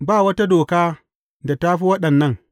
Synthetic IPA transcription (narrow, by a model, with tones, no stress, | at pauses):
baː˦˨wɐ˦ta˦doː˨kaː˦ | da˨ta˦ɸi˦wɐ˦ɗɐ˨nːɐ˦ŋ